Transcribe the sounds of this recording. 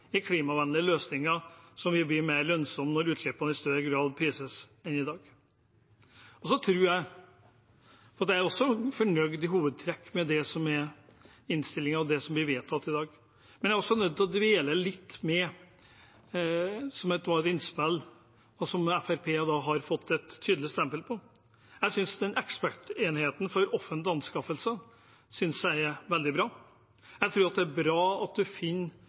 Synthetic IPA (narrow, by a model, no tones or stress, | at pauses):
ɪkʰliːmɑʋɛnlɪəløːsnɪŋəsɔmʋɪbliːmeɪɾlœnsɔmnɔɾʉːt̪ʃɛpːɑnəɪst̪œɾəɡɾɑːd̪pʰɾiːsəsɛnɪd̪ɑːɡ | ɔsɔt̪ʰɾʉːɾjæɪ | fɾɑt̪ːææɾɔsːɔfɔɳœɡd̪ɪɦuːʋəd̪̚t̪ʰɾɛkːmɛd̪ɛsɔmɛɾ | ɪnst̪ɪlːɪŋɑʋd̪ɛsɔmblɪɾʋeːt̪ʰɑt̪ːɪd̪ɑːɡ | mɛnjæɾɔsːɔnœd̪̚t̪ʰlɔd̪ʋeːləlɪt̪ːmɛ | sɔmɛt̪d̪ʋɑːɛt̪ɪnspɛlː | ɔsɔmæfæɾpʰeːd̪ɑɦɑɾfɔt̪ʰːɛt̪ʰːyːd̪lɪst̪ɛmpəlpʰɔ | jæɪsʏnsd̪ɛnʔɛkspæʈeːnheːt̪n̩fɔɾɔfːənt̪ɪɑnskɑfəlsə | sʏnsjæɪʋɛld̪ɪbɾɑː | jæɪt̪ʰɾʉːɾɑt̪̚d̪ɛæɾbɾɑːɑt̪̚d̪ʉfɪnː